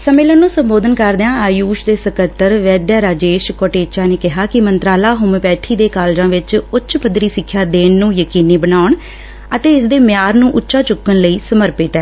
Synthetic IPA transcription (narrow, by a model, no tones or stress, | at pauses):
səmɪlənːũːsəmboːd̪ənkəɾd̪eãːaːjuːʃd̪eːsəkət̪ːəɾʋɛːd̪jaːɾaːd͡ʒeːʃkoːʈeːt͡ʃaːneːkɪɦaːkɪmənt̪ɾaːlaːɦʊmpɛːt̪ʰiːd̪eːkaːld͡ʒãːʋɪt͡ʃʊtːt͡ʃʰpəd̪ɾiːsɪkʰːjaːd̪eːɳnũːjəkiːniːbənaːʊɳ | ət̪eːɪsd̪eːmɪjaːɾnũːʔʊtːʃaːt͡ʃʊkːənləiːsəməɾpɪːt̪ɛː